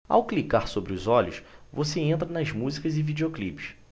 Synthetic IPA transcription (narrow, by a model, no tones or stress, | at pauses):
a̰wklikaɾsobɾɪʊzɔʎʊsvoseẽnt̪ɾɐnɐzmuzikɐzɪvid͡ʒeoklipi̥ʃ